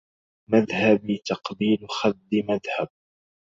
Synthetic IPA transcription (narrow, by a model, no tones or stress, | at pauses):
maðhabit̪ɑqbiːlxad̪ːɪmaðhab̚